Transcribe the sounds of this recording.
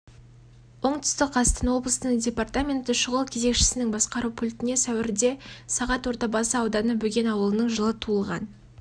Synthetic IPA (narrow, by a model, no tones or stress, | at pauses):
wo̞ɴt̪ʰʏ̥st̪ɪkqʰɑst̪ənwo̞blˠəsənəɴdʲe̞part̪amʲe̞nt̪ɪʃʊʁəlˠkʲʰe̞ze̞kʃɪ̥sɪnɪŋbɑsqɑɾupʰʊlʲt̪ɪne̞sæwɪɾɪd̪e̞sɑʁɑt̪wo̞ɾt̪ɑbɑsəɑwd̪ɑnəbɵɡʲe̞nɑwəlˠənəɴʒəlˠət̪ʰuəlˠʁɑn